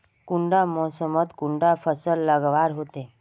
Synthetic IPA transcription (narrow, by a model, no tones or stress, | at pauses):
kuɳɖamɔsəmət̪kuɳɖafəsəlːəɡʋaɾɦot̪e